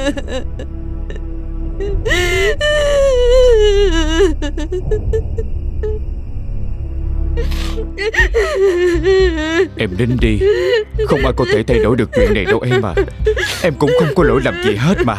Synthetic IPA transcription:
ʔɛ˧mɗe˨˦nɗi˧xə˧wŋ͡mʔaː˨˩jkɔ˨˦t̪ʰe˧˩t̪ʰa˧jɗo˧˨˦jɗɨ˨˩ək̚t͡ɕwḭ˧˨ənːa˨˩jɗə˧wʔɛ˧mːa̰ː˨˩ʔɛ˧mkʊ̰˧˥ŋ͡mxə˧wŋ͡mkɔ˨˦lo˧˥jlaː˨˩mzi˨˩ɦe˦˥t̚maː˨˩

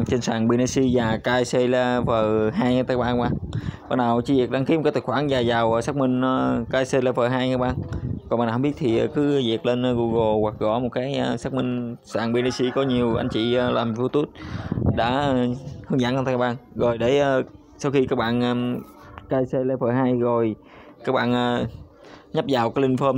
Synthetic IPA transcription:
t͡ɕe˧nsaː˨˩ŋɓi˧na˧si˧zaː˨˩kaː˧jse˧la˧vəː˨˩ɦaː˧jt̪aː˧˩˦k̚ɓaː˧a˦˥˦ɓa̰ː˧˨nɓaː˧˩naː˨˩wt͡ɕi˧˦vi˨˩k̚ɗa˧ŋki˨˦m̚˨˩kaː˦t̪ʰkxwaː˧˩nzaː˨˩jzaː˨˩wʔəː˨˩saː˦˥k̚mï˧ŋ̟ə˧kaː˧jse˧laː˧vəː˨˩ɦaː˧jːk̚ɓaː˧˨nkɔ˨˩nɓaː˧˨˩hŋ͡mɓi˦˥t̚t̪ʰi˨˩ʔəː˨˩kɨ˨˦˧zi˨˩ək̚le˧nː˧ɣu˧ɣo˨˩wa˨˩k̚ɣɔ̰˧˩˦mo˨˩t̚kaː˨˦jʔəː˧saː˦˥k̚mï˧ŋ̟saː˧˩ŋɓe˧ni˧si˧kɔ˨˦ɲi˨˩əwʔa̰˧jŋ̟t͡ɕḭ˧˨əː˧laː˨˩mvu˧t̪u˦˥t̚ɗa̰ː˧˥˧hɨ˧əŋza̰˧˨nʔt̪aː˧˩˦a˦˥˩ɓa̰ː˧˨nɣo˨˩jɗe˧˩ʔəː˨˧ | sa˧wxi˧kaː˦˥k̚ɓa̰ː˧˨nʔəː˧ | kaː˧jse˧le˧fəː˨˩ɦaː˧jɣo˨˩j | kaː˦˥k̚ɓa̰ː˧˨nʔəː˨˩ | ɲə˦˥p̚zaː˨˩wkaː˨˦jli˧ŋfəː˧m

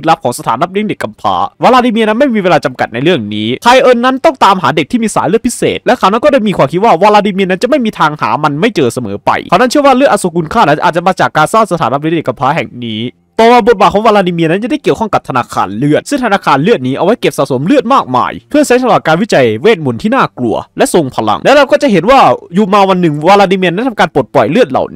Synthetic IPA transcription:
t̪̚la˦˥p̚kʰɔː˩˦ŋsa˧t̪ʰaː˩˦nla˦˥pli˦˥ŋde˨˩kːa˧mpʰa̰ː˦˥waː˧laː˧diː˧mi˧əna˦˥nma˥˩jmiː˧weː˧laː˧t͡ɕa˧mka˨˩t̪̚na˧jɾɯ˥˩əŋniː˦˥kʰa˧jʔɤː˧nːa˦˥nt̪ɔ˥˩ŋt̪aː˧mɦa̰ː˩˦de˨˩k̪̚ʰiː˥˩miː˧saː˨˦nlɯ˥˩ə˩t̚pʰi˦˥sḛː˨˩t̪̚lɛ˦˥kʰaː˧˩wna˦˥˩kɔː˥˩daː˥˩jmiː˧kwaː˧mkʰi˦˥t̪̚waː˥˩waː˧laː˧diː˧mi˧na˦˥t͡ɕa˨˩ʔma˥˩jmiː˧t̪ʰaː˧ŋha̰ː˩˦ma˧nma˥˩jt͡ɕɤː˧sa˧mɤː˩˦pa̰˧jʰaː˧˩na˥nt͡ɕʰɯ˥˩əwaː˥˩lɯ˥˩ət̪̚ʔa˧su˨˧˦ku˧nkʰaː˥˩na˦˥nʔaː˨˩t̪̚t͡ɕa˨˩maː˧t͡ɕaː˨˩kːaː˧nsaː˥˩t̪sa˧aː˩˦nla˦˥pli˦˥nde˨˩ka˧mpʰaː˦˥ɦɛ̰˨˩ŋniː˦˥ | t̪ɔː˨˩waː˧˩bo˨˩t̪̚baː˨˩t̚kʰːŋwaː˧laː˧ni˧mi˧na˦˥nt͡ɕa˨˩da˥˩jki˨˩əwkʰɔ˥˩ŋka˨˩p̚t̪ʰa˧naː˧kʰa̰ː˧nlɯ˥˩ət̪̚sɯ˥˩ŋt̪ʰa˧naː˧kʰaː˧nlɯ˥˩t̪̚niː˦˥ʔa˧wa˦˥jke˨˩p̚sa̰˨˩so˩˦mlɯ˥˩ət̪̚maː˥˩k̚ma̰ː˧jpʰɯ˥˩əsa˦˥ŋsʰa˧laː˨˩kaː˧nwi˦˥t͡ɕa˧˩jweː˥˩t̪̚mu˨˩˦nt̪ʰiː˥˩naː˥˩klu˧˩ɐlɛ˦˥ʔso˧ŋpʰa˧la̰˧ŋlɛ˦˥ɾa˧wkɔː˥˩t͡ɕa˨ʔɦe˨˩˦nwaː˥˩juː˨˩maː˧wa˧nːɯ˨˩ŋwaː˧laː˧ni˧mi˧na˦˥˩t̪ʰa˧kaː˧npo˨˩t̪̚pɔ˨˩jlɯ˥˩ət̪̚la̰˨˩wn˦

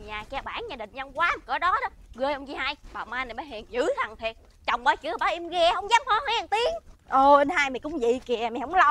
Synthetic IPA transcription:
ɲaː˨˩kɛ˨˧˦ɓaː˧˩˦nɲaː˨˧˩ï˨˩ŋ̟za˧wŋ͡mkwaː˨˦˨kɔː˨˦ɗɔ˨˦ɗɔ˨˦ɣɨ˧əjʔə˧wŋ͡mzi˧ha˧jɓa̰ː˨˩maː˧na˨˩ɓaː˨˦hɛ˨˩nzɨ̰˧˨˦t̪ʰa˨˩ŋt̪ʰi˨˩ət̚ | t͡ɕa˨˩wŋ͡mɓaː˧˦t͡ɕɨ˨˧˦ɓaː˨˦ʔi˧mɣɛ˧˩hə˧wŋ͡mzaː˨˦˥mhɔ˧˦ha˨˩ŋt̪i˨˦əŋʔo˨˧˩ʔə˧nhaː˧jme˨˩kʊ̰˧˦ŋ͡mzḭ˧˨ki˨˩˨əmɛ˨˩hə˧˦ŋ͡mla˧

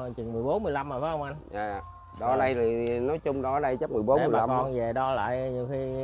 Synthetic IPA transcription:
t͡ɕi˨˩nmɨ˨˩əjɓo˨˦nmɨ˨˩əjla˧mːəː˨˩faː˨˦hə˧wŋ͡mʔa˧naː˨˩˨ | ɗɔ˧˦ɗə˧jti˨˩nɔ˨˦jt͡ɕʊ˧ŋ͡mɗɔ˧ɗə˧jt͡ɕə˦˥m˨˩əjɓo˨˦nmː˧˨˩la˧ɔ˧nve˨˩ɗɔ˧la̰ː˧˨jɲi˧˩wxi˧

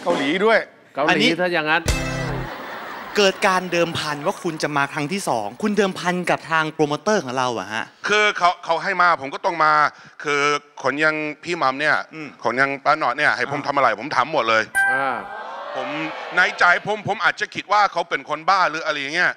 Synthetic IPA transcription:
ka˧˩wliː˨˩˦du˥˩əj | ka˧wʔa˧lniː˦˥˦t̪ʰa˥˩jaː˨˩ŋa˦˥n | kɤː˨˩t̪̚kaː˧ndɤː˧mpʰa˧nwaː˥˩kʰu˧nt͡ɕa˨˩maː˧kʰɾa˦˥ŋt̪ʰiː˥˩sɔ̰ː˩˦ŋkʰu˧ndɤː˧mpʰa˧nka˨˩p̚t̪ʰaː˧ŋpʰɾoː˧moː˧t̪ɤː˥˩kʰɔː˩˦ŋɾa˧wʔa̰˨˩ha̰˦˥ʔkʰɯː˧kʰa˦˥wkʰa˨˦˥wɦa˥˩jmaː˧pʰo˨˩˦mkɔ˥˩t̪ɔ˥˩ŋmaː˧kʰɯː˧kʰo˩˦nja˧ŋpʰiː˥˩ma˧mni˥˩ɐʔkʰo˩˦nja˧ŋpaː˧˥nɔː˨˩t̪̚ni˥˩ɐʔha˥˩jpo˨˩˦mt̪ʰa˧mʔa˧ɾa˧jpʰo˩˦mt̪ʰaː˩˦mːo˨˩t̪̚lɤː˧jaː˧pʰo˩˦mnaː˧˥˩jt͡ɕa˨˩jpʰo˨˧˦mpʰo˩˦mʔaː˨˩t̪̚t͡ɕa˨˩kʰi˨˦˩t̪̚waː˥˩kʰa˦˥wpe˧nkʰo˧nbaː˥˩nɾɯː˨˦˥ʔa˧ɾa˧˥jːa˨˩ŋːi˦˥˩ɐ˨˩ʔ

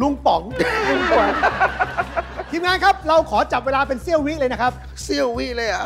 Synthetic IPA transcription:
lu˥˩ŋpɔ˩˦ŋlu˥˩ŋku˨˩ə | k̪ʰiː˧mŋaː˧˥nkʰa˦˥p̚ɾa˧wkʰɔː˩˦t͡ɕa˨˩p̚weː˧laː˧pe˧nsi˥˩əwi˦˥ləː˧jna˦˥kʰa˦˥p̚ | si˥˩əwwi˦˥lɤː˧jʔa˨˩

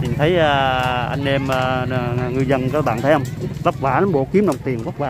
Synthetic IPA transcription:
mï˨˩t̪ʰə˨˦jʔa˨˩ʔa˧jŋʔɛ˧məː˨˩˨ŋɨ˨˩əjzə˧nkɔː˧˦ɓa̰ː˧˨nt̪ʰə˨˦hə˧wŋ͡mlə˦˥k͡p̚vaː˧˩na˨˦mɓo̰˧˨ki˨˦əmnɗə˨˩wŋ͡mt̪i˨˩ənka˦˥k̚vaː˧

